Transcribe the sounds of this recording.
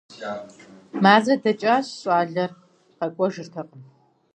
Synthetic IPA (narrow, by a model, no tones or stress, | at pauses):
maːzɐdɐt͡ʃʼaːɕɕʼaːɮɐr | qɐkʷʼɔʒɨrtʰɐqən